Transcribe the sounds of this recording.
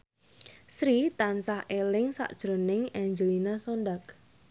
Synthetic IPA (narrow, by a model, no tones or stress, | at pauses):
sɾit̪ansahelɪŋsa̰ʔd̥ʒ̥ɾo̤nɪŋaɲd͡ʒəlinasonɖak